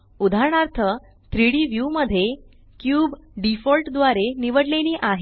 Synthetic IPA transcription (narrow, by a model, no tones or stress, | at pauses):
ud̪ʱaɾɳaɾt̪ʰə | t̪ɾiɽiːʋjuməd̪ʱːje | kjuːbɖifɔlʈd̪ʋaɾeniʋəɽleniːʔaɦe